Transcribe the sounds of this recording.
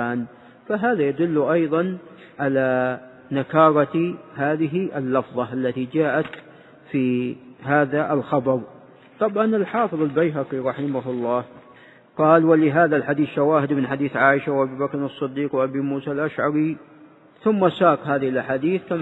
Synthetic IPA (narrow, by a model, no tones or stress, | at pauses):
aːn | faɦaːðajad̪ʊlːʊʔɑjðˤɑn | ʕala | nakɑːɾˤɑɦaːðɪɦiʔɪlːɑfðˤɑʔalːat̪id͡ʒaːʔat̪ | fiɦaːðaʔɪlxɑbɑɾˤ | t̪ˤɑbʕɑnɪlħɑːfɨðˤɪlbajɦɑqiɾˤɑħɪmaɦʊlˤːɑːh | qɑːlwalɪɦaːðalħad̪iːθʃawaːɦɪd̪mɪnħad̪iːθʕaːʔɪʃawʔabibakɾɑsˤːɨd̪ːiːqwʔabimuːsalʔaʃʕɑɾi | θʊmːasaːqɦaːðɪhɪlʔaħaːd̪iːθka